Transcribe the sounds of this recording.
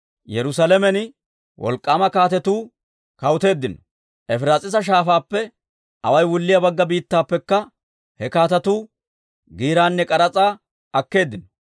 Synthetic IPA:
jɛɾʊsɐlɛmɛnɪ | wʔɔ̰lkʼːaːmɐkaːt̪ɛt̪uː | kɐwʊt̪e̞ːd̪ːɪnɔ̥ | ʔɛfɪɾaːt͡sʼɪs̬ɐʃ̬aːfaːpːɛ | ʔɐ̰wɐjwʊlːɪjɐbɐɡːɐbiːt̪ːaːpːɛkːɐ | hɛkaːt̪ɐt̪uː | ɡiːɾaːnːɛkʼɐɾɐt͡sʼaː | ʔɐkːe̞ːd̪ːɪnɔ

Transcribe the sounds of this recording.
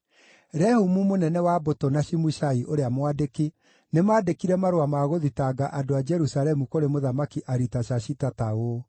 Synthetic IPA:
ɾɛhumumonɛnɛwabotonaʃimuʃaiʔoɾeamwadeki | nemaːdekiɾɛmaɾowamaɣoðitaːɡaʔadoad͡ʒɛɾusalɛmukoɾemoðamakiʔaɾitaʃaɕitatao

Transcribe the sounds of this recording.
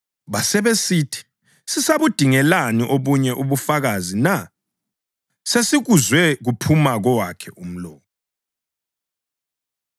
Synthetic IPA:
βasɛβesiːtʰi̥ | sisaβud̥ʱiŋɛlaniʔoβuɲɛʔuβufaɣazina | sesiɣuzwɛɣupʰumaɣɔwakʰɛʔum̩lɔːkɔ

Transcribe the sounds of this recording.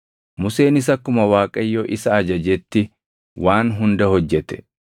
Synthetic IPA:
mʊse̞ːnɪs̬ɐkːʊmɐwaːkʼɐjːoːʔɪsɐːd͡ʒɐd͡ʒɛt̪ːɪ | waːnɦʊnd̪ɐhɔd͡ʒːɛt̪ɛ̥

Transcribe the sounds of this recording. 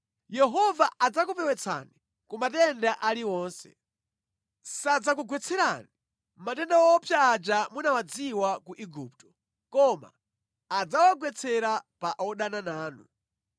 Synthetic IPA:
jɛɦɔvaʔad͡zakupɛwɛt͡sʰa̰ni | kumatɛndaʔaliwɔːnsɛ̰ | sad͡zakuɡwɛt͡sʰɛɾani | matɛndawɔpʰjaːd͡ʒamunawad͡ziwakuʔiɡup̚tɔ̥ | kɔma̰ː | d͡zawaɡwɛt͡sʰɛɾapaʔɔɗananaːnu

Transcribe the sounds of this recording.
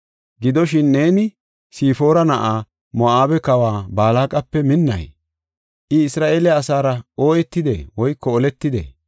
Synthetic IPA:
ɡɪd̪ɔʃɪnːe̞ːnɪ | siːfo̞ːɾɐnɐʔaː | mɔʔaːbɛkɐwaːbaːlaːkʼɐpːɛmɪnːɐ̰j | ʔɪɪsɾaːʔeːlɪːsaːɾɐo̞ːjɛt̪ːɪd̪ḛwɔjkːɔɔlɛt̪ːɪd̪ḛ

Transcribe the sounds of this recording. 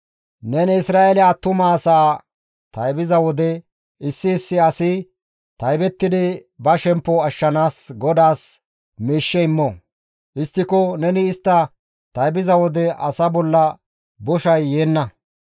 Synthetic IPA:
nɛnɪsɾaːʔɛlɪjaːt̪ːʊmɐːsaː | t̪ɐjbɪzɐwɔd̪ɛ | ɪsːɪːsːɪɐsɪ | t̪ɐjbɛt̪ːɪd̪ɪbɐʃɛmpːɔɐʃːɐnaːsɡɔd̪aːs | miːʃːɛɪmːɔ | ʔɪst̪ːɪkɔnɛnɪːst̪ːɐ | t̪ɐjbɪzɐwɔd̪ɛʔɐsɐbɔlːɐ | bɔʃɐjːeːnːɐ

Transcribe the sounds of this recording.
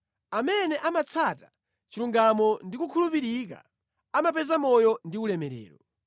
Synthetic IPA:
amɛnɛʔamat͡sʰata | t͡ʃiluŋɡamɔndikukʰulupiɾik̬a̰ | amap̬ɛzamɔjɔndiulɛmɛɾɛ̰ːɾɔ

